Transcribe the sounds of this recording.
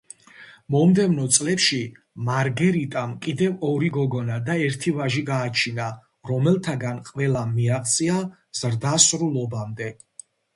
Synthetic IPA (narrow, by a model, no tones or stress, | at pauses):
mɔmd̪ɛvnɔt̪sʼlɛpʃi | maɾɡɛɾit̪ʼamkʼid̪ɛvɔɾiɡɔɡɔnad̪aɛɾt̪ʰivaʒiɡaːt͡ʃʰina | ɾɔmɛlˠt̪ʰaɡanqʼvɛlamːiaqʼt̪sʼia | z̥ɾd̪asɾulˠɔbamd̪ɛ